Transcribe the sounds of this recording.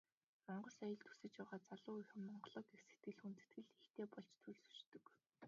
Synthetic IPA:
mɔɴɢɞ̆sajə̆ɮt̪ʰu̥sɘ̆t͡ɕpæːʁaːt͡saɮʊːixɘ̆mːɔɴɢɞ̆ɮɞːkekse̥t̪̚ɡɘ̆ɮxunt̪ɘ̥̆t̪ɡɘ̆ɮext̪eːpɔɮt͡ɕt̪ʰɵɮsɵ̥t͡ɕt̪ɵ̆k

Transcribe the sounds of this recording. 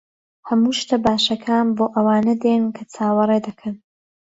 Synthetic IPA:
hɐmuːʃt̪ɐbaːʃɐkʰaːnboːʔɐwaːnɐd̪ennkʰɐt͡sʰaːwɐɾed̪ɐkʰɐn

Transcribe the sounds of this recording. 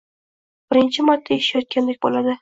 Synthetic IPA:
b̥ɪɾɪnt͡ʃʰɪmaɾt̪ʰːaeʃjɒt̪̚kʲand̪ek̚ʲbolad̪ɪ

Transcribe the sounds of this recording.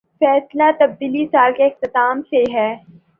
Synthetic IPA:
fɛːslat̪ɐb̚d̪iːlisaːlkeɪxt̪ɪt̪aːmseɦɛː

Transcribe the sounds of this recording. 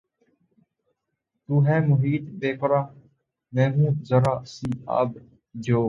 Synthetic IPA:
t̪uːɦɛːmʊɦiːt̪beːkʊɾaː | mɛ̃ːɦũːzəɾaːsiːa̰ːb | d͡ʒʱoː

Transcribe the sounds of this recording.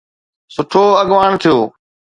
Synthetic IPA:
sʊʈʰoːəɠʋaːɽ̃t̪ʰijoː

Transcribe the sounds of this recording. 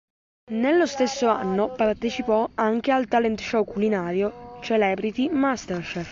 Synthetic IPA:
nelːost̪esːoa̰nːopart̪et͡ʃipɔaŋk̟ealt̪alɛnt̪ʃɔkulinaːɾjot͡ʃɛlɛbɾit̪imast̪ɛrʃɛf

